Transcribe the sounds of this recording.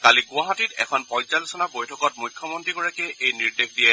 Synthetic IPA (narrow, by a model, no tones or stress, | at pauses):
kaliɡʊaɦatitɛ̰kʰɔnpɔ̃jzalisɔnabojtʰɔkɔt̚mujkʰːjɔmɔntɹiɡɔɹakeʔejniɹdexʰdijɛ